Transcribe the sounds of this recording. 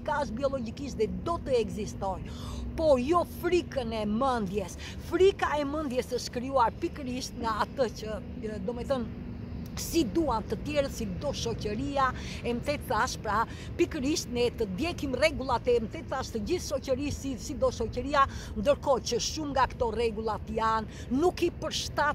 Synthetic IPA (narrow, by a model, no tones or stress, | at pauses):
kaəʃ̬̚biɔlɔd͡ʑikiʃt̪ðɛd̪ɔt̪əɛɡzist̪ɔj | pɔɾjɔfɾikənɛmənd̪jɛs | fɾikaɛmənd̪jɛsəʃkɾiuaɾpikəɾiʃt̪ŋaat̪əcə | d̪ɔmɛθən | sid̪uant̪ət̪jɛɾəsid̪ɔʃɔcəɾia | ɛmt̪ɛt̪θaʃpɾa | pikəɾiʃt̪nɛt̪əd̪jɛkimrɛɡulˠat̪ɛmət̪ɛt̪θaʃt̪əɟiθʃɔcəɾisisid̪ɔʃɔcəɾiand̪əɾkɔcəʃumŋɡakə̥t̪ɔrɛɡulˠat̪əjanː | ukipəɾʃt̪a